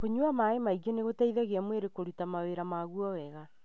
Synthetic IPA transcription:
poɲuamaemaiɣeneɣotaiðɛɣeamweɾekoɾitamaweɾamaɣuɔwɛɣa

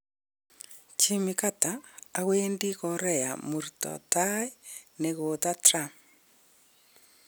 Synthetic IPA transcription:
t͡ʃimikataːɣweːndiɣɔɾɛja̰muɾitɔ̰taineɣot̪atɾam

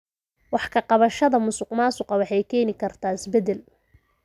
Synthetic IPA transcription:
wɑħkʰɐqɑβɐʃɐðɐmʊsʊqmaːsʊqɐwɑħɑjkʰɛːnɪkʰɐrt̪ʰaːɪsbɛd̪ɛl

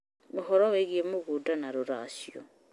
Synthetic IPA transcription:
moxɔɾɔɣeɣiemoɣudanaɾoɾasjɔ̰

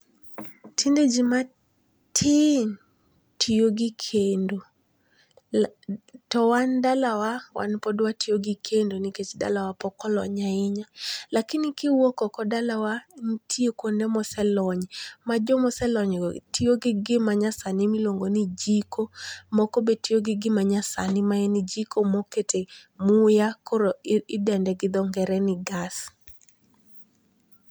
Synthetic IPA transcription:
tʰinded͡ʒima | tʰin | tʰijoɡɪkʰendo | tɔwandalawawa̰npɔdwatijoɡɪkʰendoniket͡ʃda̰lawapɔkɔlɔ̰ɲaɪɲalakinikɪwokɔkɔdalawantʰiokwondemɔsɛlɔɲmad͡ʒɔmɔsɛlɔɲtioɡɪɡɪmaɲasanɪmilwoŋɡonid͡ʒikomɔkobetijoɡɪɡɪmaɲasa̰nɪmaɛnɪd͡ʒikomoketemujakɔɾoɪdɛndɛɡɪd̪ɔŋɡɛɾɛnɪɡas

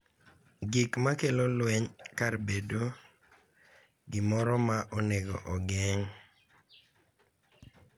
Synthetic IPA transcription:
ɡɪkmakelolwɛɲkarbedo | ɡɪmɔɾɔmaʔɔneɡɔ̰ʔɔɡɛɲ

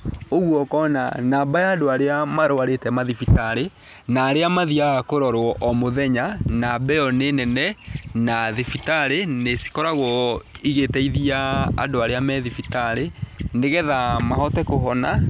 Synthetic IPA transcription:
oɣwɔkɔna̰nabajaːdoaɾeamaɾowaɾetɛmaðifitaɾe | naːɾeamaðiaakoɾɔɾwɔʔɔmoðɛɲanabɛjɔnenɛnɛnaðifitaɾenesi̥kɔɾaɣɔiɣetɛiðia̰ːdoaɾeamɛðifitaɾeneɣɛðamahɔtɛkoɦɔna

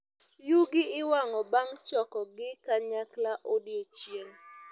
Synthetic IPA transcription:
juɡɪɪwaŋɔbaŋt͡ʃɔkɔɡɪkaɲaklaʔodjet͡ʃjeŋ

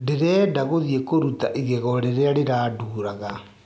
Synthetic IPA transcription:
deɾɛːdaɣoðjekoɾutaʔiɣeɣɔɾeɾeaɾeɾaːduːɾaɣa

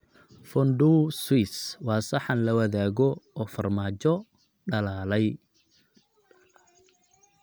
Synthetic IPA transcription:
fɔnɖuswiswɑːsɐħɑnlɐwɐðaːɣɔɔːfɐrmaːt͡ʃɔ | ɖɐlaːlɛj

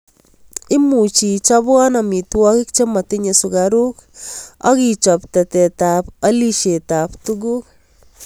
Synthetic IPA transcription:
imut͡ʃit͡ʃabɔnamitwɔkɪk̚t͡ʃematiɲesukaɾuka̰kit͡ʃɔptɛtɛtapɐliʃetaptuɡuk̚

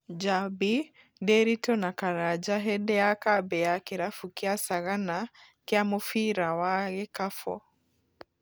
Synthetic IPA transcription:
d͡ʒabi | deɾitɔnakaɾad͡ʒaɦɛdɛakabɛakeɾafukiasaɣana | kiamofiɾawaɣɛkafɔ̰

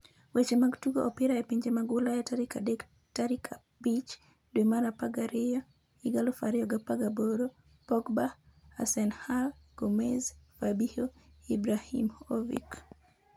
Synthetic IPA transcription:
wet͡ʃemaɡtuɡo̰ʔɔpɪɾaepiɲd͡ʒemaɡwʊlajataɾikadek | taɾikʰa | bit͡ʃ | dwemaɾapaɡaɾɪja | iɡalofaɾɪɔɡapaɡaboɾo | pɔkbaa̰sɛnhal | komezfabihoibɾahḭmovḭk

